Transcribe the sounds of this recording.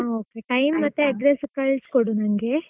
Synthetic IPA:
okeʈɐjmːɐt̪ːeɐɖɾeskɐɭskoɽuːnɐŋɡe

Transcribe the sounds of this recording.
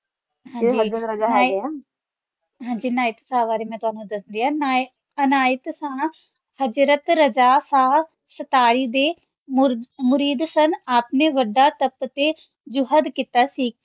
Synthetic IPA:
ɦãːd͡ʒiaa | ɦãːɲd͡ʒiːnaːɪt̪saːʋaːɾeːmɛ̃ːt̪ʊaːnũd̪əsənd̪iːana | ənaːɪt̪sãː | həd͡ʒɾət̪ɾəd͡ʒaːsaː | sət̪aːɽiːd̪eː | mmʊɾiːd̪sənaːpneːʋəɖaːt̪əpt̪eː | d͡ʒʊɦəd̪kit̪aːsiː

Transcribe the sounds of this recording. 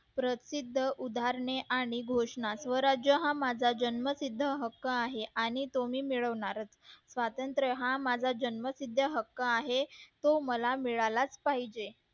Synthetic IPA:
pɾət̪sid̪ʱːəʔud̪ʱaɾɳeʔaɽ̃iɡʱoʂɳasʋəɾad͡ʑjəɦãmad͡zʱad͡ʑənməsid̪ʱːəɦəkːəaɦeʔaɽ̃it̪omiːmiɭəʋɳaɾət͡ssʋat̪ənt̪ɾəɦamad͡zʱad͡ʑənməsid̪ʱːəɦəkːəaɦet̪oməlamiɭalat͡spaɦid͡ʑe

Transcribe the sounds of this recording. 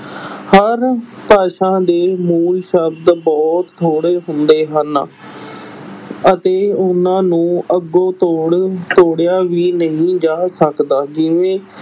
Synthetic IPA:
həɾpaːʃãːd̪eːmuːlʃəbd̪bɔːt̪ʰːoːɽeːɦʊnd̪eːɦən | ət̪eːʊnãːnũːʔəɡːoːt̪oːɽt̪oːɽjaːʋiːnəɦĩːd͡ʒaːsəkd̪aːd͡ʒɪʋẽː

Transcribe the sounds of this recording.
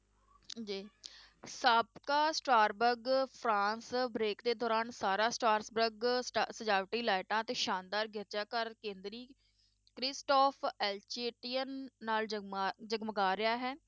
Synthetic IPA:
d͡ʒiː | səbkaːsʈaːɾbəɾɡpʰɾaːnsbɾeːkd̪eːd̪ɔːɾaːnsaːɾaːsʈaːɾsbɾəɡsəd͡ʒaːʋʈiːlaːɪʈãːt̪eːʃaːnd̪aːɾɡʱɪɾt͡ʃaːkəɾkẽːnd̪ɾiː | kɾɪsʈɔːpʰɛːlt͡ʃeːʈiːənːaːld͡ʒəɡməɡaːɾɪjaːɦɛː

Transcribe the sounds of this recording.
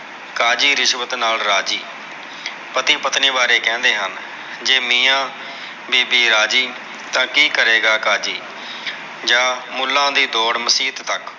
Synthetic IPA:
kaːd͡ʒiːɾɪʃʋət̪naːlɾaːd͡ʒiː | pət̪iːpət̪niːbaːɾeːkɛ̃ːnd̪eːɦən | d͡ʒeːmiːãː | biːbiːɾaːd͡ʒiː | t̪ãːkiːkəɾeːɡaːkaːd͡ʒiː | d͡ʒãːmʊlːãːd̪iːd̪oːɽməsiːt̪ːək

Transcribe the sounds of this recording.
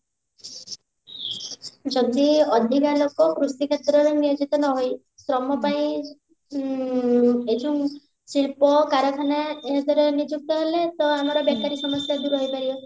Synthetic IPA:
d͡ʒɔd̪iɔd̪ʱiɡalokɔkɾusikʰet̪ɾɔɾenijod͡ʒit̪ɔnɔɦoj | sɾɔmɔpaĩ | ed͡ʒuŋ | siɭpɔkaɾɔk̪ʰanaeɦɔd̪ɔɾenid͡ʒuk̚t̪ɔɦelet̪ɔamɔɾɔbakaɾisɔmɔsjad̪uɾuɦojpaɾibɔ

